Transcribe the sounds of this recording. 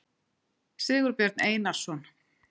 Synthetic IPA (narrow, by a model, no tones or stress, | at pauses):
sɪːɣʏɾpjɛɾt̪neːjnḁsɔn